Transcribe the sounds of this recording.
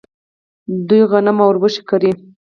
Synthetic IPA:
d̪ujɣanamawɾbəʃɪ̥kaɾi

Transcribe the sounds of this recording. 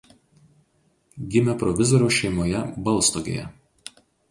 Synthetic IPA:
ɡʲɪmʲɛpɾɔʋʲɪzɔɾʲoːʃʲɛɪmoːjɛbɐlˠˑst̪oɡʲḛːjɛ̰

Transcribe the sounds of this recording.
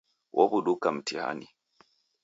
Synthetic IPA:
wʔobuɗukam̩tʰiha̰ni

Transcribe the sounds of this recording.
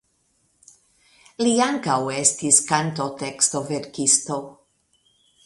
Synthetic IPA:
liaŋkawest̪iskant̪o̞t̪ekst̪o̞veɾkist̪o̞

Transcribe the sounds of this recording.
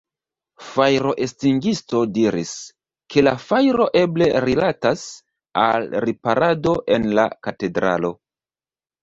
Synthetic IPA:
fajɾo̞ʔe̞stiŋɡisto̞diɾḭs | kʰe̞lafajɾo̞ʔe̞ble̞ɾilatas | a̰lɾipaɾʔado̞ʔe̞nla̰kate̞dɾa̰lo̞

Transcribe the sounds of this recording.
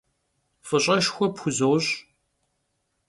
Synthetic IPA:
fɨɕʼɐʃxʷɔpxʷʊzɐwɕʼ

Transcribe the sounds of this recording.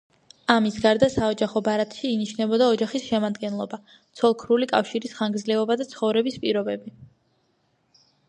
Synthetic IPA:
amisɡaɾd̪asaɔd͡ʒaχɔbaɾat̪ʼʃiːniʃnɛbɔd̪aɔd͡ʒaχisʃɛmad̪ɡɛnlˠɔba | t̪sʰɔlˠkʰɾulikʼafʃiɾisχaŋɡdzlɛɔbad̪at̪sʰχɔvɾɛbispʼiɾɔbɛbi

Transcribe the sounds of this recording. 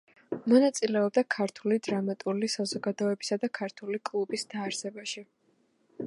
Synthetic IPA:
mɔnat̪sʼilɛɔb̚d̪akʰaɾt̪ʰulid̪ɾamat̪ʼulisazɔɡad̪ɔɛbisad̪akʰaɾt̪ʰulikʼlˠubisd̪̥aːɾsɛbaʃi

